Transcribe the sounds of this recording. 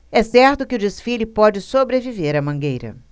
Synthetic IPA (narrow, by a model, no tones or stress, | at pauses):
ɛsɛɾt̪ʊkɪʊd͡ʒesfilʊpɔd͡ʒɪsobɾeviveɾɐmɐ̃ɡejɾɐ̰